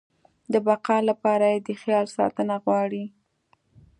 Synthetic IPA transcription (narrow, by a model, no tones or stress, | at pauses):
d̪əbaqɑlapɑɾajed̪əxjɑlsɑ̰t̪ənaɣwɑɽi